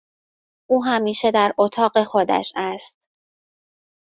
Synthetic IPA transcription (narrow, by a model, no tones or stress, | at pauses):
ʔuːɦæmiːʃe̞d̪æɾʔot̪ʰɒːɢe̞xo̞d̪æ̰ʃæst̪̚